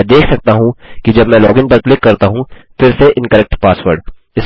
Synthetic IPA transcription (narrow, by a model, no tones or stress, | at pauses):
d̪eːkʰsɐk̚t̪aɦũkid͡ʒɐbmɛ̃lɔːɡɪ̃ŋpɐɾklɪkːɐɾt̪aɦũfɪɾseʔɪ̃nkəɾɛk̚ʈpaːsʋəɾɖ | ɪs